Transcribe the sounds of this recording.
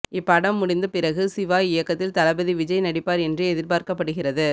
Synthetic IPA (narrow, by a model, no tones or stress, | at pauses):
ɪpːɐɽɐmːʊɽɪnd̪ɐpɪɾɐɣɯsɪʋaːɪjɐkːɐt̪ːɪlt̪ɐlɐbɐðiʋɪd͡ʒɐjnɐɽɪpːaːɾɛndrɯɛðɪɾpaːɾkɐpːɐɽɯɣɪrɐðɯ